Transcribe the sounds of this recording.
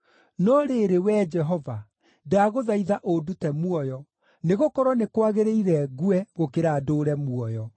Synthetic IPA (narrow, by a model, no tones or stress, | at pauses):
nɔɾeɾewɛːd͡ʒɛɦɔva | daɣoðaiðaʔodutɛmwɔjɔ | neɣokɔɾɔnekwaɣeɾeiɾɛɣwɛɣokeɾaːdoːɾɛmwɔjɔ